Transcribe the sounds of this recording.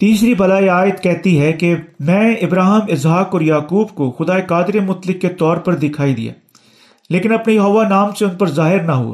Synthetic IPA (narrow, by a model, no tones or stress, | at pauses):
t̪iːsɾibɐlaːiaːɪd̪kɛɦt̪iɦɛkemɛ̃ːɪbɾaːɦɪmɪzɦaːkɔːɾjaːkuːbkoxʊd̪aːekaːd̪ɾemʊt̪lɪkːet̪ɔːɾpɐɾd̪ɪkʰaːid̪ḭja̰ː | leːkɪnɐpnejɐɦoːʋanaːmseʊnpɐɾzaːɦɪɾnaɦo̰ː